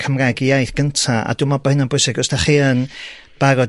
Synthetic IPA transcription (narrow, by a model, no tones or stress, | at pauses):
kʰəmraɡijajθɡ̥əntʰaa̰dumabahɪnanbʊsɪɡəstaχɨən | b̥aɾɔ